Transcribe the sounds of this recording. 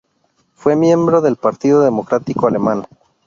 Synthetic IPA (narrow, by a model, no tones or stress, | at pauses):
fwe̞mje̞mbɾo̞ðe̞lpaɾt̪iðoðemo̞kɾat̪ikoale̞man